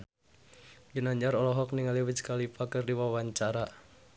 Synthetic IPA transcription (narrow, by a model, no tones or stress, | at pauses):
ɡinaɲd͡ʒaɾɔlɔɦɔk̚niŋaliwit͡ʃkalipakərdiwawaɲt͡ʃaɾa